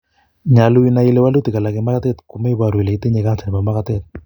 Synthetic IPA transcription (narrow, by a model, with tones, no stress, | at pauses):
ɲa˨lu˦ina˨i˦lɛ˦wa˦lu˦ti˨ka˨la˨kɛ˨ma˦ka˦tɛ˦t̪ku˨mɛ˦i˦βa˨ɾu˨i˨le˨i˦te˦ɲɛ˨ka˦nsa˨n˨ma˨ma˦ka˦tɛ˦t̪̚